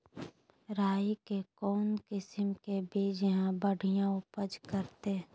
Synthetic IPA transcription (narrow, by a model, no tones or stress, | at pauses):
ɾaːikekɔːnkɪsɪmkebʱeːd͡ʒəɦãbəɽijãʊpəd͡ʒkəɾt̪e